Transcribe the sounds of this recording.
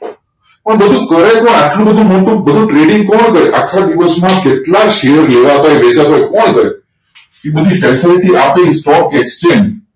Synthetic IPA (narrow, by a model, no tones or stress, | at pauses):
pəɳbəd̪ʱũkəɾekɔ̃naʈlũbəd̪ʱũmoʈũbəd̪ʱũʈɾeɖɪŋɡ̚kɔɳkəɾeʔakʰːad̪iʋəsmãkeʈlaʃeəɾleʋat̪ajbed͡ʒat̪ajkɔɳkəɾe | ebəd̪ʱifɛsiliʈiʔapeisʈɔk̚ekst͡ʃẽn